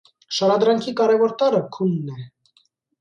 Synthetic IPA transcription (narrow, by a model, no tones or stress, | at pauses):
ʃɑɾɑd̪ɾɑŋkʰikɑɾɛvɔɾt̪ɑɾəkʰunːɛ